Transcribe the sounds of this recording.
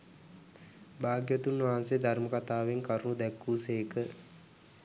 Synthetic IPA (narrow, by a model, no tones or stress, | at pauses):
baːɡjət̪unːʋaɦansejd̪ʱarməkat̪aːʋeŋkaɾunud̪ɛkːuːseːkə